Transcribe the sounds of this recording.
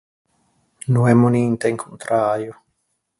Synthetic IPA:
nũemoniːnt̪eŋkʰont̪ɾʔaɾjo

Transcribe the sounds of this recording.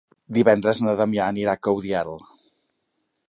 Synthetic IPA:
d̪iβɛnd̪ɾəznəðəmiaːniɾakəwðjalˠ

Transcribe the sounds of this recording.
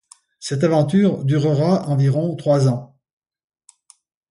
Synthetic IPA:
sɛt̪̬avɑ̃t̪yːʁd̪yʁəʁaɑ̃viʁɔ̃t̪χwazɑ̃

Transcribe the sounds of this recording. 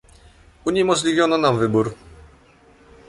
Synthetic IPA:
uɲɛmɔʐlʲivʲjɔnɔnamvɘbuɾ

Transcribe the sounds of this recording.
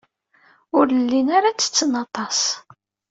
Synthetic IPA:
ʊɾlːinaɾat͡sːə̥t͡sːənɑt̪ˤɑs

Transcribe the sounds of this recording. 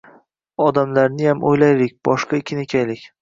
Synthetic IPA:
ɒd̪amlaɾnɪjamʔojlajɾɪk̚ʲb̥ɒʃqʰɑɪkʲʰɪnekʲʰajlɪkʲ

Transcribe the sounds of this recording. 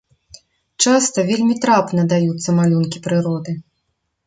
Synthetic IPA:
t͡ʂast̪ɐvʲelʲmʲit̪ɾapnɐd̪ajut̪sːɐmalʲunkʲipɾɨɾɔd̪ɨ

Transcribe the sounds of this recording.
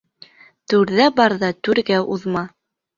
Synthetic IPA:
t̪ʉɾðæbɑɾðɑt̪ʉɾɡæʔuðmɑ

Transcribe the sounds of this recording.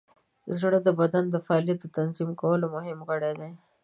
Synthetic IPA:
zɽed̪əbɐd̪and̪əfːlijat̪̚d̪ət̪ɐnzimkawəlomʊɦɪmkəɽed̪e

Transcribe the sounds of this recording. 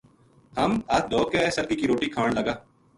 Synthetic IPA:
həmɐt̪̚ʰd̪ʱoːkesəɾkiːkiɾoːʈiːkʰaːɳləɡaː

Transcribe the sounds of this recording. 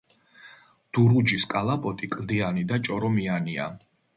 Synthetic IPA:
d̪̥uɾud͡ʒiskʼalˠapʼɔt̪ʼikʼld̪ianid̪at͡ʃʼɔɾɔmiania̰

